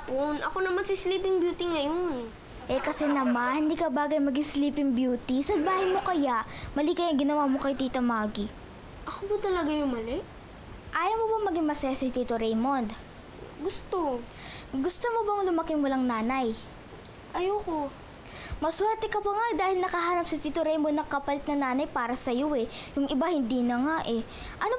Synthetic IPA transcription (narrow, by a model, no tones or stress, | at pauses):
ponʔɐkonɐmansɪsliːpɪŋbjuːt̪iŋɐjon | ʔɛkɐsɛnɐmanhɪnd̪iːkɐbaːɡɐjmɐɡɪŋsliːpɪŋbjuːt̪isɐlbaːhɐjmo̞kɐjaʔmɐlikɐjɐŋɡɪnɐwaːmokɐjot̪iːt̪ɐmaːɡi | ʔɐkobɐt̪ɐlɐɡajʊŋmɐlɛʔ | ʔaːjɐmobɐmɐɡɪŋmɐsɛːsɪt̪it̪oɾɛjmond̪ | ɡʊst̪o | ɡʊst̪omobɐŋlʊmɐkɪŋwɐlɐŋnaːnɐj | ʔɐjoko | mɐswɛɾt̪ɛkɐpɐŋad̪aːhɪlnɐkɐɦaːnɐp̚sɐt̪it̪oɾɛjmond̪ːɐŋkɐpɐlɪt̪̚nɐnaːnɐjpaːɾɐsɐjoʔɛjʊŋɪbahɪnd̪iːnɐŋaʔɛ | ʔɐno